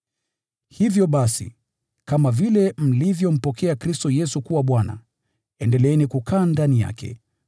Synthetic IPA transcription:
hivjɔɓasḭ | kamavilɛm̩livjɔm̩pɔkʰɛakɾistɔjɛsukuwaɓwana̰ | ɛndɛlɛɛnikukʰaːndanija̰kɛ̰

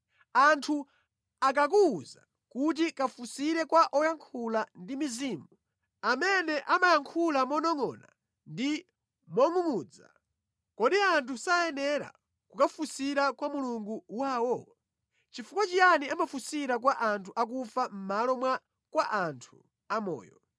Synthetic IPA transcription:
antʰu | ak̬ak̬uːza̰ | kut̬ikafusiɾɛkwaʔɔjaŋkʰulandimiziːmu | amɛnɛʔamajaŋkʰulamɔnɔŋɔ̰ːna̰ | ndi | mɔŋumuːd͡za̰ | kɔɗiantʰusajɛnɛɾa̰ | kukafusiɾakwamuluŋɡuwaːwɔ | t͡ʃifukwat͡ʃijaniamafusiɾak̬waʔantʰuʔak̬ufam̩malɔmwa | kwaʔantʰu̥ | amɔ̰ːjɔ̰

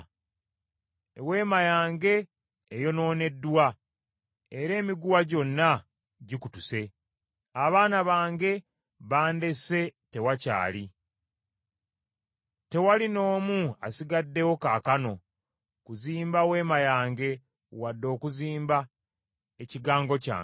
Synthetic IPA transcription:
ewe̞ːmajaːŋɡe̞ː | jo̞no̞ːne̞dːuwa | e̞ɾe̞ːmiɡuwaɟo̞nːa | ɟikutuse̞ | aβaːnaβaːŋɡe̞ | βaːnde̞se̞te̞waca̰ːli | te̞walino̞ːmua̰siɡadːe̞wo̞kaːkano̞ | kuziːmbawe̞ːmajaːŋɡe̞ | wadːo̞ːkuziːmba | e̞ciɡaːŋɡo̞ca̰ːŋ

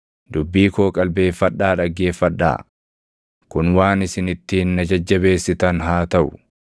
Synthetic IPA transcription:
d̪̥ʊbːiːko̞ːkʼɐlbe̞ːfːɐɗːaːᶑɐɡːe̞ːfːɐᶑːa̰ː | kʊnwaːnɪsɪnɪt̪ːɪnːɐd͡ʒɐd͡ʒːɐbe̞ːsːɪt̪ɐnɦaːt̪ɐʔʊ

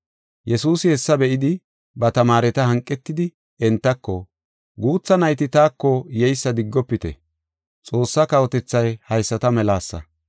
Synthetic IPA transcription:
jɛsuːsɪhɛsːɐbɛʔɪd̪ɪ | bɐt̪ɐmaːɾɛt̪ɐhɐŋkʼːɛt̪ːɪd̪ɪ | ɛnt̪ːɐkːɔ | ɡuːt͡sːɐnɐjt̪ɪt̪aːkːɔjɛjsːɐd̪ɪɡːɔpːɪt̪ɛ̰ | t͡sʼo̞ːsːɐkɐwɔt̪ɛt͡sːɐjhɐjsːɐt̪ɐmɛlaːsːɐ̰

